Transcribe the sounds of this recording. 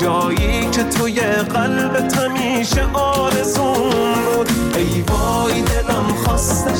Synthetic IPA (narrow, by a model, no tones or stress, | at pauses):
d͡ʒɒːjiːkʰet̪ʰʊjeɣælbet̪ʰæmiːʃeʔɒːɾezuːnbud̪ | ejvɒː | jd̪ed̪æmxɔːst̪e